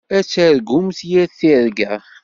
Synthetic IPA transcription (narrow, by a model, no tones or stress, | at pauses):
æt͡sːæɾɡʊmsjæθiɾɡæ